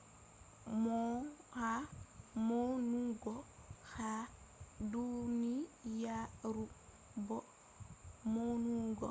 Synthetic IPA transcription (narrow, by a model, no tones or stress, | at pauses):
mɔhamonuɡɔ | xa | dunijaɾu | bɔ | monuɡɔ